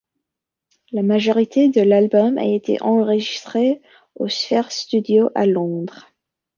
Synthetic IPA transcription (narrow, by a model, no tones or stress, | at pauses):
lamaʒɔʁit̪ed̪əlalbɔma̰et̪ḛʔɑ̃ʁəʒist̪χe | osfɛʁst̪yd̪joʔalɔ̃d̪ʁ